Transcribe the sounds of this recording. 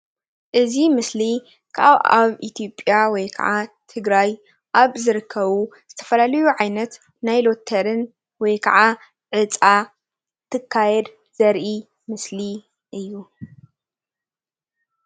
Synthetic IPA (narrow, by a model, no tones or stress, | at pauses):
ʔɨzimɨsli | kʰʔaβa̰βit̪ʰijo̞pʼjawɔjkʰɐ̰ʕat̪ʰɨɡɾaj | ʔaβzɨɾɨkʰːɐβuz̥ɨt̪ʰɐ̥fɐlalɐjuʕajnɐt̪ | najlo̞t̪ʰːɐɾɨn | wɔjkʰɐ̰ʕa | ʕɨt͡sʼa | t̪ʰɨkʰːajɛd̪ | z̥ɐɾʔi | mɨsli | ʔɨjːu